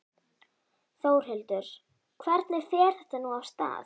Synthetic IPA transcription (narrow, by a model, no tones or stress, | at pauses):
θoːwɾ̥ɦɪlt̪ʏɾ̥ | kʰvɛɾt̪nɪɾ̥θɛːɾ̥θɛht̪anuawst̪a̰ːθ